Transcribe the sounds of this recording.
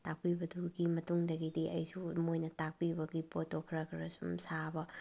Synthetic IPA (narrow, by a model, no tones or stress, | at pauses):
tak̚pibɐduɡimɐtuŋdɐɡidiʔɐ̰jsumojnɐtak̚pibɐɡipotokʰɾɐkʰɾɐsumsabɐ